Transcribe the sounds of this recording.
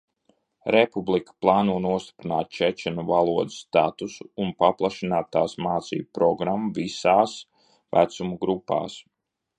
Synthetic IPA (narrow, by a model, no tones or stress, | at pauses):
ɾepublˠikə̥plˠɑːnuɔnuɔst̪i̥pɾinaːt̪̚t͡ʃɛt͡ʃɛnuvalˠuɔd̪ɪ̥sːt̪at̪usuːnpaplˠaʃinaːt̪ːaːsmaːt̪sḭːbpɾɔɡɾamːuvisaːs | væ̰t̪sumuɡɾupːa̰ːs